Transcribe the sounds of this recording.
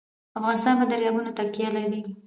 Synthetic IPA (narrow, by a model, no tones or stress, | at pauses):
afɣɑnɪst̪ɑnbad̪əɾjɑmunat̪akijalaɾi